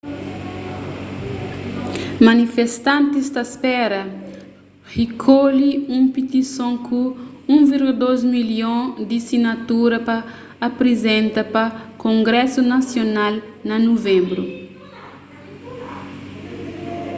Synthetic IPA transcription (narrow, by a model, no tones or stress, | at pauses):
mɐnifest̪ãnt̪isd̪ɐspɛɾɐ | hikʰoliũmpit̪isõŋkʰu | ũviɾɡuld̪ozmiljõd̪isinɐt̪uɾɐpɐː | pɾezẽnt̪ɐpɐkõŋɡɾɛsunɐsjonal | nɐnovẽmbɾu